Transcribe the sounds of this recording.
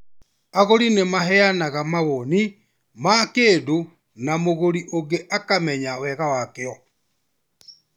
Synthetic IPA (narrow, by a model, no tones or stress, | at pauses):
aɣoɾinemaɦɛanaɣamaβɔni | makeːdo | namoɣoɾiʔoɡeʔakamɛɲawɛɣawakeɔ